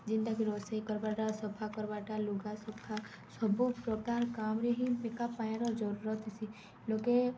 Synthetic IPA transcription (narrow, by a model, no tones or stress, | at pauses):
d͡ʒɪ̃nd̪akiɾoːseikɔɾbaʈasɔpʰakɔɾbaʈaluɡasɔpʰa | sɔbupɾɔkaːɾkaːmɾeɦibekapaẽɾɔɾd͡ʒɔɾuɾɔt̪si | loke